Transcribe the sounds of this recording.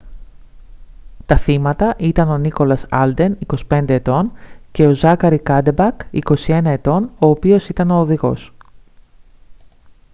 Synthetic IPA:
t̪ɐθimɐt̪ɐʔit̪ɐno̞niko̞lɐsɐ̰ld̪e̞niko̞si̥pe̞nd̪e̞ːt̪o̞nce̞o̞zɐkɐɾikɐd̪ebɐkḭko̞sie̞nɐe̞t̪o̞no̞ːpio̞sit̪ɐno̞ːðiɣo̞̰s

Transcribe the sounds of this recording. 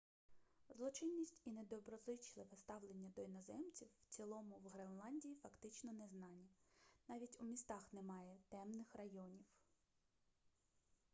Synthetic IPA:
zlˠɔt͡ʃɪnʲːisʲtʲined̪ɔbɾɔzˠɪt͡ʃlˠɪʋɛst̪ɑwlˠenʲːɐd̪ɔinɐzɛmt͡sʲiwːt͡sʲilˠɔmʊwɦɾenlˠɑnʲdʲijifɐkt̪ɪt͡ʃnɔnɛznɑnʲːinɑʋʲitʲumʲist̪ɑxnɛmɑjɛt̪ɛmnɪxrɐjɔnʲiw

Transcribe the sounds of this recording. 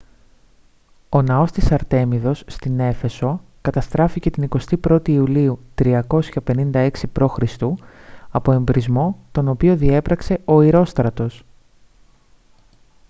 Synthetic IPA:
o̞nɐo̞st̪isɐɾt̪e̞miðo̞sːt̪ine̞fe̞so̞ | kɐt̪ɐst̪ɾɐfice̞t̪iniko̞st̪ipɾo̞t̪iːuliut̪ɾiɐko̞sçɐpe̞nind̪ɐe̞ksipɾo̞xɾist̪uɐpo̞e̞mbɾizmo̞t̪o̞no̞pio̞ðie̞pɾɐkse̞o̞iɾo̞st̪ɾɐt̪o̞s

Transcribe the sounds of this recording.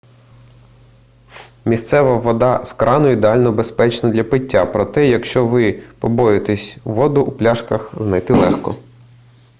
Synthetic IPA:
mʲist̪sɛʋɐʋɔd̪ɑskɾʔɑnʊid̪eɑlʲnɔbespɛt͡ʃnɐd̪lʲɐpɪtʲːapɾɔt̪ɛjɐkʃt͡ʃɔʋɪpɔbɔjet̪esʲʋɔd̪ʊʔuplʲɑʃkɐxznɐjt̪ɪlˠɛxkɔ̰

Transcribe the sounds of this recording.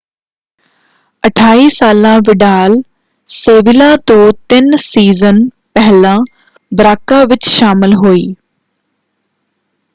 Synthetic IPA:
əʈʰaːiːsaːlãːʋɪɖaːl | seːʋɪlãːt̪õːt̪ɪnsiːzən | pɛɦlãː | bɾaːkaːʋɪt͡ʃʃaːmɪlɦoːiː

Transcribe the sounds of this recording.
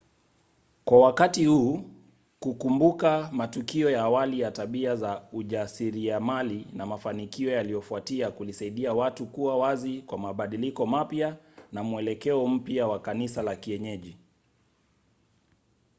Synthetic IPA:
kwawakatihuː | kukumbukamatukiɔjaːwalijataɓiazauʄasiɾiamalinamafanikiɔjalijɔfuatiakulisaiɗiawatukuwawazikwamaɓaɗilikɔmapjanamuɛlɛkɛɔm̩piawakanisalakiɛɲɛʄi

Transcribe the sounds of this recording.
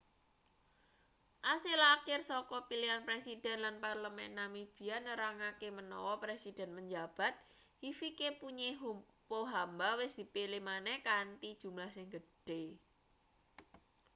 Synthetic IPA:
ʔasilakɪrsɔkɔpilianpɾesid̪̥ɛ̤nlanparləmɛnamib̥i̤janəɾaŋakemənɔ̰wɔpɾesid̥ɛ̤npəɲd͡ʒab̥a̤t̪̚ | hifikepuɲeɦupoɦambawɪsd̪̥i̤pelemanɛhkant̪id̥ʒ̥ṳmlahsɪŋɡəɖ̥e

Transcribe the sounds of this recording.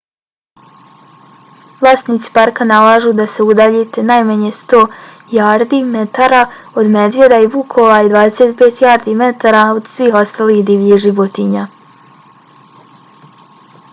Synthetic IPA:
ʋlˠaːst̪niːt̪si̥paɾkanalaːʒud̪ase̞ud̪aʎet̪e̞najmaɲe̞st̪o̞ː | jaːɾd̪imet̪aːɾao̞d̪me̞d̪ʋje̞d̪aibukʰoʋaid̪ʋaːd̪ese̞t̪peːt̪jaːɾd̪ime̞t̪aːɾaod̪sʋiːxo̞st̪aliːhd̪iːʋʎiʒiʋot̪iɲa

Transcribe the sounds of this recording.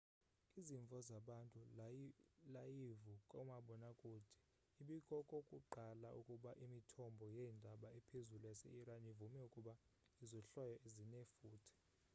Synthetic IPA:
iziɱvʱɔzaɓantʼu | lajivukʼɔmaɓɔnakʼuːd̥ʰʱi̥ | iɓikʼɔkʼokʼuǃalaukʼuɓaʔimitʰɔmbʱɔjɛːndʱaɓaɛpʰezulujasɛ̰iɾanivumɛukʼuɓa | izɔɬɔjɔʔezinɛfuːtʰi̥

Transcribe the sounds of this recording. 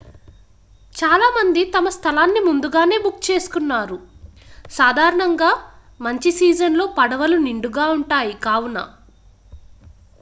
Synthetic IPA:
t͡ʃaːlaːmɐnd̪it̪ɐmɐst̪ʰɐlaːnːimund̪uɡaːne̞ːbukːt͡ʃe̞ːsu̥kunːaːɾu | saːd̪ʱaːɾɐɳɐŋɡaː | mɐɲt͡ʃisiːd͡ʒɐnlo̞ːpɐɽɐʋɐluniɳɖuɡaːuɳʈaːjikaːwunɐ̰

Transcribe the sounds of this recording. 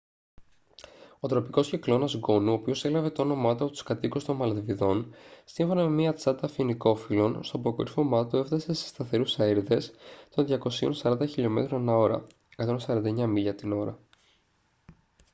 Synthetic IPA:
o̞t̪ɾo̞piko̞sciklo̞nɐzɡo̞nuopio̞se̞lɐve̞t̪ɐono̞mɐt̪uɐpot̪u̥skɐt̪ikust̪o̞nmɐlt̪viðo̞nsiɱfo̞nɐme̞miɐt͡sɐt̪ɐfiniko̞filo̞nst̪opokoɾfomɐt̪ue̞ft̪ɐse̞sest̪ɐθe̞ɾusɐiɾðe̞st̪o̞nðʝɐko̞sio̞̰nsɐɾɐnd̪ɐçiʎo̞me̞̰t̪ɾonenɐo̞ɾɐ̰ | ekɐt̪o̞nsɐɾɐnd̪ɐeɲɐmiʎɐt̪ino̞ɾɐ

